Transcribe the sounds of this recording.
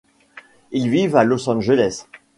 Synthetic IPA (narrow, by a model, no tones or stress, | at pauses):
ilvivalɔsɑ̃ʒəlɛs